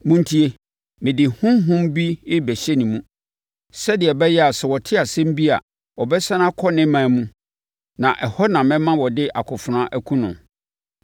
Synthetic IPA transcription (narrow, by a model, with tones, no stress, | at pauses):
mũ˦n̩˦tʰi˦e˦ | mɪ̃˨dɪ˨hʊ̃˦mɦʊ̃˦mbi˦ɪ˦bɛ˨ɕɛ˦nĩ˨mũ˦ | sɛ˦dɪ˨ɛ˨bɛ˦jɛ˦a˨sɛ˨wɔ˨tʰɪ˦a˨sɛ̃˦m̩˦bi˦a̰˨ | ɔ˨bɛ˦sã˦nã˦kʰɔ˦nɪ̃˦mãː˨mũ˦ | nã˨ʔɛ˨hɔ˦nã˨mɛ̃˦mã˦wɔ˨dɪ˦ʔa˨kʰʊ˨fʊ˨nã˦ʔæ˦kʰũ˦nʊ̰̃˨